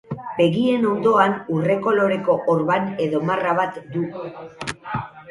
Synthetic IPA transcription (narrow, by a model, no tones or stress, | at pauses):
be̞ɣie̞no̞nd̪o̞anure̞ko̞lo̞ɾe̞ko̞ʔoɾβane̞ðo̞maraβat̪d̪u